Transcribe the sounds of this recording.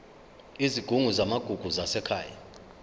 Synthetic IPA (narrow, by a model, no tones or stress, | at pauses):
iziɡ̥ʱuŋuzamaɡ̥ʱuɡ̥ʱuzasɛkʰaːja